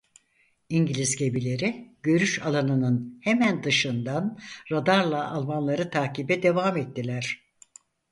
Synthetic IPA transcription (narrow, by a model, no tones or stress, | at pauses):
iɲɟilʲizɟe̞bilʲe̞ɾiɟ̥ø̞ɾyʃalˠanɯnɯnhe̞mænd̪ɯʃɯnd̪anɾad̪aɾlˠaʔːlˠmanlˠaɾɯt̪ʰaːcibɛd̪e̞vamɛt̪ʰːilʲæɾ̝̥